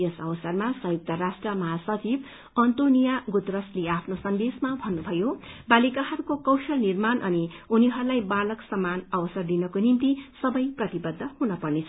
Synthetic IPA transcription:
ʌsʌwʌsʌrmasʌ̃juk̚t̪ʌɾasʈrʌmʌɦasʌt͡sib | ʌnt̪onijaɡut̪ɾʌsleapʰnosʌnd̪esmabʱʌnːubʱʌjobalikaɦʌɾukokʌwsʌlnirmanʔʌniuniɦʌɾulajbalʌksʌmːanʌwʌsʌrd̪inʌkonint̪isʌbʌjprʌt̪ibʌd̪ʱːʌhunʌpʌrnet͡sʰʌ

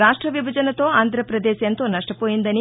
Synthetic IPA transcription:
ɾaːʂʈɾɐʋibʱɐd͡ʒɐnɐt̪oːaːnd̪ʱɾɐpɾɐd̪eːʃjɐnt̪oːnɐʂʈɐpoːjind̪ɐni

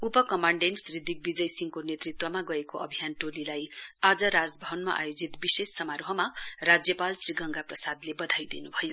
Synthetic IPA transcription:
upʌkʌmaɳɖenʈsrid̪ʱːik̚bid͡zʌjsiŋkonet̪rit̪wʌmaɡʌekoʔʌ̰bʱijanʈolilajad͡zʌɾad͡zbʱʌwʌnmaʔa̰jod͡zit̪bisesːʌmaɾoɦʌmarad͡zjʌpalsriɡʱʌŋɡaprʌsad̪lebʌd̪ʱajd̪inubʱʌjo

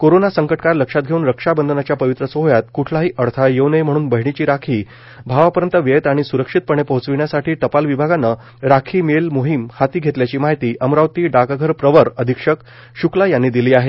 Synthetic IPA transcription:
koɾonasəŋkəʈkaɾləkʂat̪̚ɡʱeuːnɾəkʂabənd̪ʱənat͡ɕjapəʋit̪ɾəsoɦjat̪̚kuʈʰlaɦiːʔəɽt̪ʰajeʋnəjm̤əɽuːnbəɦiɳ̃it͡ɕiːɾakʰiː | bʱaʋapəɾənt̪əʋet̪aɽ̃isuɾəkʂit̪̚pəɳ̃epəɦut͡sʋiɳjasaʈʰiːʈ̪əpalʋibʱaɡanːə | ɾakʰiːmelmoɦimhat̪iːɡʱet̪ljat͡ɕiːmaɦit̪iːʔəmɾaʋt̪iːɖaɡaɡʱəɾpɾəʋəɾəd̪ʱikʂək | ɕuklajanːiːd̪iliːaɦe

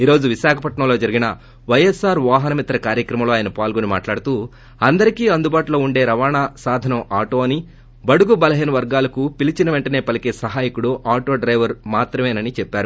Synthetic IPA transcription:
iːɾoːd͡ʒuʋiʃaːkʰɐpɐʈɳɐmloːd͡ʒɐɾiɡinɐ | ʋɐjesaːɾʋaːɦɐnɐmit̪ːɐɾɐkaːɾjɐkɾɐmɐmlo̞ːaːjɐnɐpaːlɡonimaːʈlaːɽut̪uː | ɐnd̪ɐɾikiːɐnd̪ubaːʈulo̞ːuɳɖe̞ːɾɐʋaːɳaːsaːd̪ʱɐnɐmaːʈo̞ːɐni | bɐɽuɡubɐlɐɦeːnɐʋɐɾɡaːlɐkupilit͡ʃinɐʋe̞ɳʈɐne̞ːpɐlikeːsɐɦaːjikuɽuʔaːʈo̞ːɖɾɐjʋɐɾmaːt̪ɾɐmeːnɐnit͡ʃɛpːaːɾu

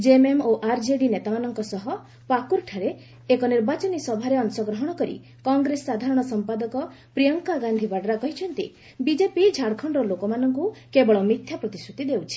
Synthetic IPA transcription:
d͡ʒememoʔaɾd͡ʒeɖinet̪amanɔŋkɔsɔɦɔ | pakuɾʈʰaɾe | ekɔniɾbat͡ʃɔnisɔbʱaɾeɔnsɔɡɾɔɦɔɽ̃ɔkɔɾḭ | kɔŋɡɾessad̪ʱaɾɔɽ̃ɔsɔmpad̪ɔkɔ | pɾijɔŋkaɡand̪ʱibaɽɔɾakɔɦit͡ʃʰɔnt̪ḭ | bid͡ʒepid͡ʒʱaɽkʰɔɳɖɔlokɔmanɔŋkukebɔɭɔmit̪ʰjapɾɔt̪isʈʰut̪id̪ewt͡ʃʰi̥

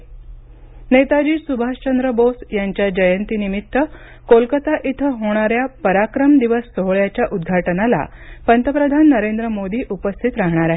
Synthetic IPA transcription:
net̪ad͡ʑiːsubʱast͡ɕənd̪ɾəbosjaɲt͡ɕjad͡ʑəjənt̪inimit̪ːə | kolkət̪aʔit̪ʰəɦoɽ̃aɾjapəɾakɾəmd̪iʋəsːoɦɭjat͡ɕjaʔud̪ɡʱaʈənala̰ | pənt̪ʰəpɾəd̪ʱanːəɾend̪ɾəmod̪iːʔupəst̪ʰit̪ɾaɦɳ̃aɾaɦe

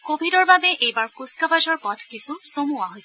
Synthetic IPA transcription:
kobʱidɔɹbabɛʔejbaɹkuskabad͡ʒɔɹpɔtʰkisusomuaɦojs

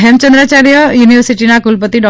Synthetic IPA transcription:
ɦɛmt͡ʃə̃nd̪ɾat͡ʃaːɾijəjuːniʋəɾsiʈinakulpət̪iɖɔ

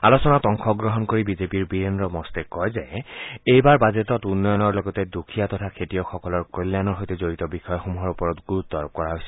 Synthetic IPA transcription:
alosɔnatɔŋkʰɔɡɹɔɦɔnkoɹibizepiɹbiɹendɹɔmɔstɛkɔjzɛejbaɹbazetɔtunːɔjɔnɔɹlɔɡɔtɛdukʰijatɔtʰakʰetiɔxɔkɔlɔɹkoljanɔɹɦojtɛzoɹitɔbixɔjɔxomuɦɔɹupɔɹɔtɡuɹut̪ːɔɹɔp̚kɔɹaɦojsɛ

